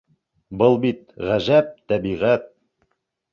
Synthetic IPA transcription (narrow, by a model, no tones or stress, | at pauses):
bɤlˠbit̪ʁæʒæp̚t̪æbiʁæt̪̚